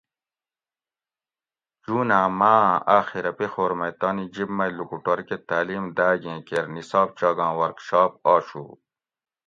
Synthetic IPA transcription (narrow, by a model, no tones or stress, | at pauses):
d͡ʒuːnaːmãːaːxiɾɐpixoːɾmɐjt̪aːnid͡ʑibmɐjlukuʈoɾket̪aːliːmd̪aːɡẽːkeɾnisɑːb̚t͡ɕaːɡɑ̃ːwɐɾkʃɑːp̚ɑːɕṵː